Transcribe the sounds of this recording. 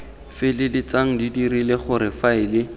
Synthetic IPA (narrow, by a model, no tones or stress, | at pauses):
fɪlɪlɪt͡saŋ̩didirilɪχʊɾɪfaɪlɪ